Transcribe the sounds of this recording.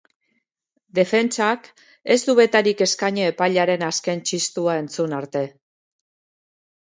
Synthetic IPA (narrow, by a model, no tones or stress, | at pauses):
d̪e̞fe̞nt͡sak | e̞zd̪uβe̞t̪aɾike̞skaɲoepaʎaɾe̞naske̞nt͡ʃist̪uae̞nt͡sunaɾt̪e̞